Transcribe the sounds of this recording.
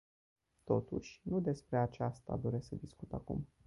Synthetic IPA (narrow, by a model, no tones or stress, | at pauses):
t̪o̞t̪uʃʲnud̪e̞spɾe̞at͡ʃast̪a̰d̪o̞ɾe̞səd̪iskut̪akṵm